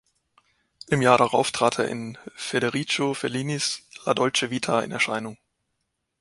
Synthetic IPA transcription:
ʔɪmjaːɐɾaʁaʊftʁ̥aːtʰḛːɐʔɪ̰nfeɾeʁiːt͡ʃofɛliːnisladɔlt͡ʃəviːtʰaɪ̰nɛɐʃaɪnʊŋ

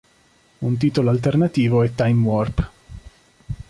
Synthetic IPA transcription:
unt̪̬iːt̪oloalt̪ernat̪iːvoɛt̪ːajmwɔrp

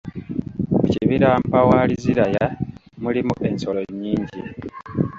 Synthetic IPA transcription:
muciβiɾaːmpawaːliziɾajamulimuʔe̞nsoloɲːiːɲɟi

